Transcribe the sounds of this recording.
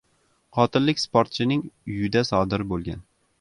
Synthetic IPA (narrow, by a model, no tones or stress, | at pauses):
qʰɒt̪ʰɪlːɪkʲspoɾt̪̚t͡ʃʰɪnɪŋʊjɪd̪asɒd̪ɪɾbolˠɡʲan